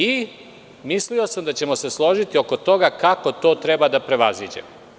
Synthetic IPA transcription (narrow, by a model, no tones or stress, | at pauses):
i | mislio̞samd̪at͡ɕe̞mo̞se̞slˠo̞ʒit̪io̞ko̞t̪o̞ɡakako̞t̪o̞ːt̪ɾe̞bad̪apɾe̞ʋaziːd͡ʑḛm